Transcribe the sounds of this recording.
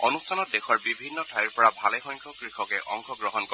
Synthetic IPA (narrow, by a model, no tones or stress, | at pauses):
ɔnustʰanɔt̚dexʰɔɹbibʱinːɔtʰajiɹpɔɹabʱalɛxɔjŋkʰɔkɹixɔkɛʔɔŋkʰɔɡɹɔɦɔnkɔ